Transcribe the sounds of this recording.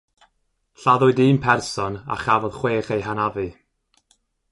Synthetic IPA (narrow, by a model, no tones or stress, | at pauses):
ɬaðʊɨdiːmpʰɛrsɔna̰χavɔðχweːχejɦanavɨ